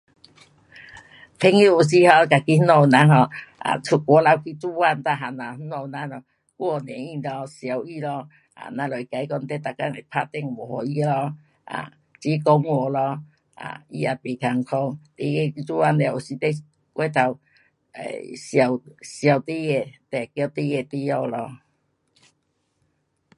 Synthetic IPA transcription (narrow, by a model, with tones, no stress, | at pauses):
t̪ʰe˧ŋi˧˦u˨˩s̬i˧hɔ˧˨˧ka˨˧ki˦nɔ˧nã˧˦ɦɔ˧a̰˨t͡sʰu˧kwɔ˨˦la˧wkʰi˧t͡su˧˦wa˥˧˨nt̪a˧ɦa˨na˨˦nɔ˧nã˧˦nɔ˧˩ | wɔ˧˨nɛ̃˨˦ĩ˧lɔ˧sja˨wi˧˩lɔ˧ | a̰˨nã˧lɔ˨i˨ka˨˦jkɔ˧n̩˧t̪e˦t̪a˨˩kːa˧˦ŋe˨pʰa˧t̪ɛ˧˨ŋbɔ˨˩hɔ˨i˧˦lɔ˧ | a̰˨ | t͡ɕi˧˦kɔ˧ŋwɔ˧˨lɔ˧ | a̰˨ḭ˧a˨˧pi˨˩kʰa˨˧˩ŋkʰɔ˧ŋt̪i˧e˧ki˧t͡su˦˧wa˧nle˧˨o˨˩ɕi˧t̪e˦˧ | kwe˧˦t̪ʰa˧˩w | ḛ˨ɕja˨˩wɕja˨wt̪i˦je˧˨t̪e˨˩kj̚t̪i˦˧je˧˨t̪i˧jɔ˧˨wlɔ˧